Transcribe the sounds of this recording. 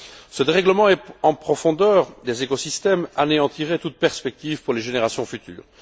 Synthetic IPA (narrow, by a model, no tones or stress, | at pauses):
səd̪eʁɛɡləmɑ̃ɛɑ̃pχɔfɔ̃d̪œːʁd̪ezekosist̪ɛma̰neɑ̃t̪iʁet̪ut̪̚pɛʁspɛk̚t̪ivpuʁleʒeneʁasjɔ̃fyt̪y̰ːʁ